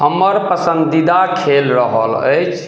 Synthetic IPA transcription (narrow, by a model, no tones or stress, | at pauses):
həmːəɾpəsənd̪id̪akʰelɾəɦə̰lə̰jt͡ʃʰ